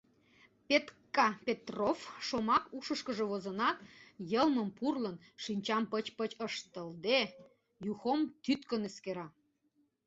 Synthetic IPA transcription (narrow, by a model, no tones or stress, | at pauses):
pet̪kɑpʲet̪rofʃomɑkuʃəʃkəʒeβozənɑt̪jəlməmpurlən | ʃinʲt͡ɕɑmpət͡ɕpət͡ɕəʃt̪əld̪e | juxomt̪yt̪kənəskeɾɑ